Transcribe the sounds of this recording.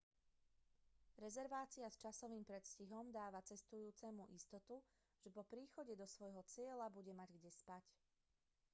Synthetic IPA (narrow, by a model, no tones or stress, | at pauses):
ɾɛzɛɾʋaːt͡siast͡ʃasɔʋiːmpɾɛt̪sciɦɔmd̪aːʋat͡sɛst̪ujuːt͡sɛmuʔist̪ɔt̪u | ʒ̥ɛpɔpɾiːxɔɟɛd̪ɔsʋɔjɦɔt͡sɪɛlabuɟɛmaɟɡɟɛspac